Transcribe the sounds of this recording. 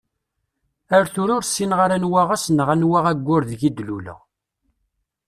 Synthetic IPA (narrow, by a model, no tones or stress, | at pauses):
əɾθʊɾʊɾsːinʁəɾænwaʁæsnʁænwaʁæɡʷːʊɾðʝid̪lulæ̰